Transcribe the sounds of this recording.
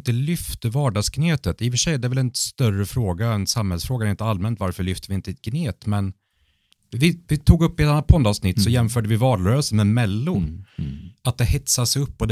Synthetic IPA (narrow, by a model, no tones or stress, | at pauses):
nt̪əlʏft̪əvɑːɖɑːɡskneːt̪ət̪ɪfəʂɛjd̪ɛɾvɛlɛnst̪œrəfɾoːɡaɛnsamhɛlsfɾoːɡaɛɾɪnt̪əalmɛnt̪vaɾfœɭʏft̪əvɪɪnt̪əɪt̪̚ɡneːt̪mɛn | vɪvɪt̪ʰuːɡɵpːɪɛt̪anːat̪̚pʰɔnd̪ɑːvsnɪt̪ːsɔjɛmfœːɖəvɪvɑːɾɾœːsəmɛmɛlːʊɾ | at̪̚d̪ɛhɛt̪sasɛɵpːɔd̪